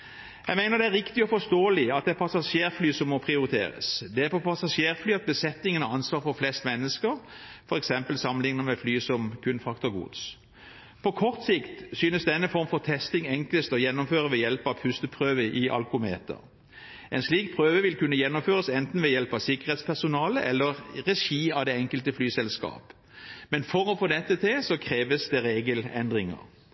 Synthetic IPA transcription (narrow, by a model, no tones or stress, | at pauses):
jæɪmæɪnəʁd̪ɛæɾːɪkt̪ɪɔfɔst̪oːlɪɑt̪d̪ɛæpʰɑsɑʃeːʁflyːsɔmːɔpʰʁɪʊɾɪt̪ʰḛːɾə̰sd̪ɛæɾpʰɔpʰɑsɑʂjeːʁflyːɑt̪̚bəsɛt̪ːɪŋənəɑnsʋɑːɾfɔʁflɛst̪mɛnːəskəʁfɔʁɛksɛmpəlsɑmːənɪŋnəmɛflyːsɔmkʰʉnfɑkt̪ʊɡṵːd̪s | pʰɔkʰɔʁt̪sɪkt̪syːnəsd̪ɛnːəfɔʁmfɔʁt̪ʰɛst̪ɪŋɛŋkləst̪ɔjɛnːʊmføːʁəʋɛjɛlpɑʋpʰʉst̪əpʰʁøːʋəʔɪʔɑ̰lkʊmeːt̪ə̰ʁ | ʔɛɪnsliːk̚pʰʁøːʋəʋɪlkʉnːəjɛnːʊmføːʁəsɛnt̪n̩ʋɛjɛlpɑʋsɪkəʁeːt̪spʰæʁsʊnɑːləʔɛlːəʁʁɛʃiːɑd̪ɛɛŋkəlt̪əflyːsɛlskɑ̰ːp | mɛnfɔɾɔfoːd̪ɛt̪ːət̪ʰɪlsɔkʰɾeːʋəsd̪ɛʁeːɡəlɛ̰nd̪ʁɪŋə̰ʁ